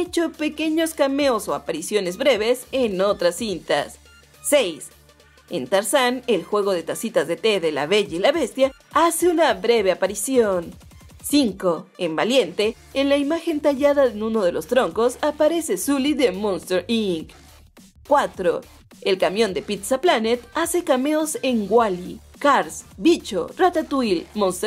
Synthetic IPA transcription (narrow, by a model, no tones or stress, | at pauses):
et͡ʃo̞pe̞ke̞ɲo̞skame̞oso̞apaɾisjo̞ne̞zβɾe̞βe̞seno̞t̪ɾasːint̪a̰sː | e̞js | ḛnt̪aɾsanelxwe̞ɣ̞o̞ðe̞t̪asit̪azðe̞t̪eðela̰βe̞ʝailaβest̪ja | aseunaβɾe̞βe̞apaɾisjon | siŋko̞embalje̞nt̪e̞ː | nlaimaxe̞nt̪aʝaðaðenũno̞ð̞e̞lo̞st̪ɾo̞ŋko̞sapaɾe̞se̞suliðemõnst̪eɾiŋk | kwat̪ɾo | elkamjõ̞nd̪e̞pit̪saplanet̪ase̞kame̞ose̞ŋɡwali | kaɾsbit͡ʃo̰rat̪at̪uilmonst̪